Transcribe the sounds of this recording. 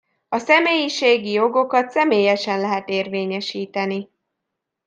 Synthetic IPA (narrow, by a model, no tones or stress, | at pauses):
ɒsɛmeːjiʃeːɡijo̞ɡo̞kɒt̪sɛmeːjɛʃɛnlɛɦɛt̪eːrveːɲɛʃiːt̪ɛni